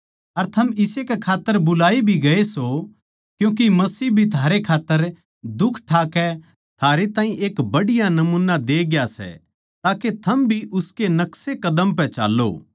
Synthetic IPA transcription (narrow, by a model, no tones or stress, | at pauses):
ɐɾt̪ʰɐmɪsekɛkʰaːt̪ːəɾbʊlaːibʱiɡɐeso | kjũːk̬imɐsiːbʱit̪ʰaːɾekʰaːt̪ːəɾ | d̪ʊkʰʈʰaːkɛ | t̪ʰaːɾet̪aːĩʔeːkbɐɽɪjanɐmũːnad̪eːɡjasɛ̰ | t̪aːket̪ʰɐmbʱiʔʊskenɐksekɐd̪əmpɛ̃t͡ʃa̰ːlːo̰ː